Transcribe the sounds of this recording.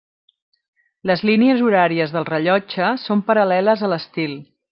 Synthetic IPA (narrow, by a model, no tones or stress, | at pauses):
ləzliniəzuɾaɾiəzðəlˠrəʎɔd͡ʒəsompəɾəlɛləzələst̪ilˠ